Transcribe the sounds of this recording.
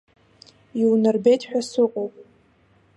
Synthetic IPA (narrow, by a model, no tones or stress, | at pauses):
iwnɨrbejtʰʼħᶣasɨqʼowpʼ